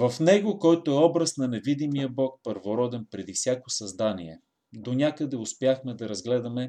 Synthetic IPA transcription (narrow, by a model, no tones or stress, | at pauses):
vɐfnɛɡokɔjt̪oɛɔbɾɐsnɐnɛvid̪imijəbɔk̚pəɾvoɾɔd̪ɛnpɾɛd̪ifsʲjakosɐzd̪aniɛ | d̪onʲakəd̪ɛʊspjaxmɛd̪ɐɾɐzɡlɛd̪ɐmɛ